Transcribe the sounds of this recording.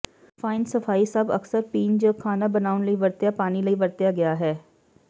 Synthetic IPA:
faːɪnsɐfaːisɐbɐ̰ksəɾpĩːnd͡ʒokʰaːnabɐnaːʊnlɐiʋɐɾt̪japaːnilɐiʋɐɾt̪jaɡɐjaɦɛː

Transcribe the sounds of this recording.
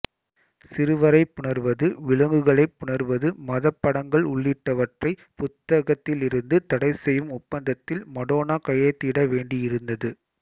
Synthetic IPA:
sɪɾɯʋɐɾɐɪpːʊɳɐɾʋɐðɯʋɪɭɐŋɡɯɣɐɭɐɪpːʊɳɐɾʋɐðɯmɐðɐpːɐɽɐŋɡɐɭʊɭːɪʈːɐʋɐʈrɐɪ | pʊt̪ːɐɣɐt̪ːɪlɪɾɯnd̪ɯt̪ɐɽɐɪsɛjɯmʊpːɐnd̪ɐt̪ːɪlmɐɽoːnaːkɐjɐt̪ːiːɽɐʋeːɳɖɪjɪɾɯnd̪ɐðɯ

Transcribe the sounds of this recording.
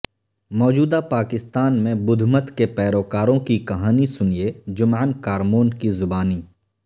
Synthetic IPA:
mɔːd͡ʒuːd̪apaːkɪst̪aːnmẽbʊd̪ʱmət̪kepɛːɾoːkaːɾõkikɐɦaːnisʊnied͡ʒʊmaːnkaːɾmoːnkizʊbaːniː

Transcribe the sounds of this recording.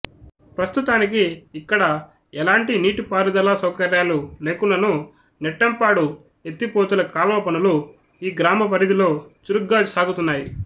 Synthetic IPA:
pɾɐst̪ut̪aːnik̬iːkːɐɽɐ | ɛlaːɳʈiniːʈupaːɾud̪ɐlaːsɐwkɐɾjaːlule̞ːkunːɐnu | nɛʈːɐmpaːɽu | e̞t̪ːipoːt̪ulɐkaːlɐʋɐpɐnulu | iːɡɾaːmɐp̬ɐɾid̪ilo̞ːt͡ʃuɾuɡːaːsaːɡut̪unːaːji

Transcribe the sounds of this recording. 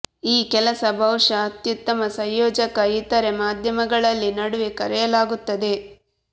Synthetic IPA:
iːkɛlɐsɐbʱɐwʂɐːt̪jut̪ːɐmɐsɐjjɔːd͡ʒɐkɐit̪ɐɾemaːd̪ʱjɐmɐɡɐɭɐlːinɐɽuʋikɐɾɛjɐlaːɡut̪ːɐd̪e̞

